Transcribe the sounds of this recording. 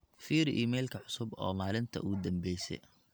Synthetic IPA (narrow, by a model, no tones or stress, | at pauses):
fiːɾiːmɛlkʰɐʕʊsʊbɔːmaːlɪnt̪ʰɐ̰ʔuːd̪ɐmbɛjsɛ̰j